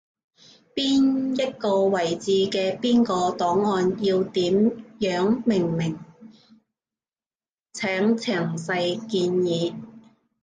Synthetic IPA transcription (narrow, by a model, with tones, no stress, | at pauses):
piː˥njɐ˥t̚kɔː˧wɐ˨˩jt͡siː˧kɛː˧piː˥nkɔː˧t̪ɔː˨˥ŋːɔː˧njiː˧wt̪iː˨˥mjœː˨˥ŋmɪ˨˩ŋmɪ˨˩ŋ | t͡sʰɛː˨˥ŋt͡sʰɛ˨˩ŋsɐ˧jkiː˧njiː˨˥